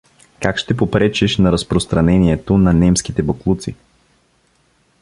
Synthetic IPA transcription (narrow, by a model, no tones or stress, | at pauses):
kakʃt̪ɛpopɾɛt͡ʃiʃnɐɾɐspɾost̪ɾɐnɛniɛt̪onɐnɛmskit̪ɛboklˠut̪sḭ